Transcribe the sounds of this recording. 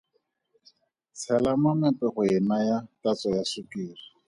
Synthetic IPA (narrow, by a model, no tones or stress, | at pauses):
t͡sʰɛlamamɛpɛχʊɪnajatat͡sɔjasʊkiːri